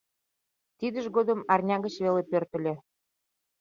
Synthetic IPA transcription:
t̪id̪əʒɣod̪əmɑrnʲɑɣə̆t͡ɕβelepørt̪ə̆lʲe

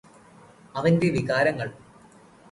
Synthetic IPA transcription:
ɐʋɐnde̞ʋiɣaːɾɐŋːɐɭ

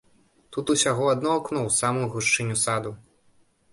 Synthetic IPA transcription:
t̪ut̪usʲaɣɔad̪nɔaknɔwsamujuɣuʂt͡ʂɨnʲusad̪u

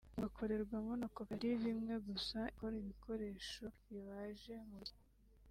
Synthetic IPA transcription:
ɡakʰo̞ɾe̞ɾɡwamonokokaɾiβimŋe̞ɡusaikoɾiβikʰo̞ɾe̞ːʃo̞jiβaʒe̞muɾi

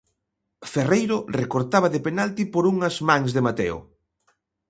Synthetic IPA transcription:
ferejɾʊrekoɾt̪aβɐðepenalt̪ipoɾuŋɐzmãŋzðemat̪ḛo̰

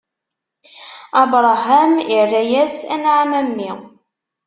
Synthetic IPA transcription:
ɑbɾˤɑɦæmirːæjæsænʕamæmːi

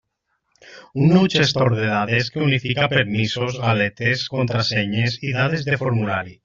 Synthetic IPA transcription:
unːowt͡ʃest̪oɾðeðaðeskeunifikapeɾmisozɣalet̪eskont̪ɾaseɲesiðaðezðefoɾmulaɾi

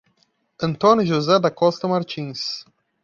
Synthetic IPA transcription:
ɐ̃nt̪õnʲuʒuzɛd̪ɐkɔst̪ɐmaɾt͡ʃĩs

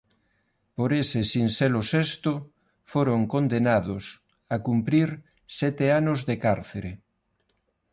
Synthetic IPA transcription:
poɾesesinselosest̪o | foɾoŋkond̪enaðos | akumpɾiɾ | sɛt̪eanozðekaɾθeɾe

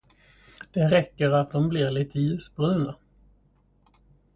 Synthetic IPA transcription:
d̪̥ɛɾɛkːəɾat̪̚d̪ɔmblɪɾɭɪt̪ːəjʉːsbɵəna

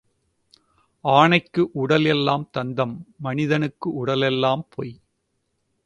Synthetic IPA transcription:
ʔaːɳɐɪkːɯʔʊɽɐlɛlːaːmt̪ɐnd̪ɐmːɐnɪðɐnɯkːɯʔʊɽɐlɛlːaːmpʰoːj

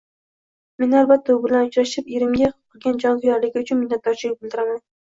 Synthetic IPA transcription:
me̞nalbat̪ʰːaʊbɪlanʊt͡ʃɾaʃɪpeɾɪmɡʲaqʰ | ɨlˠɡʲand͡ʒɒŋzʊjɒɾlɪɡʲɪʊt͡ʃʰʊnmɪnːat̪̚d̪ɒɾt͡ʃʰɪabɪlˠd̪ɪɾaman

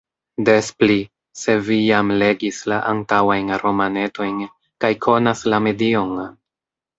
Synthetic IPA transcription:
de̞spli | se̞vijamle̞ɡislaʔantawajnɾo̞mane̞to̞jn | kajkʰo̞naslame̞dio̞n

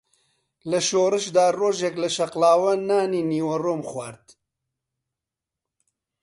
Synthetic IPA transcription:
lɐʃoːrɨʃd̪aːroːʒɛklɐʃɐqlaːwɐnaːniːniːwɐroːmxwaːɾt̪

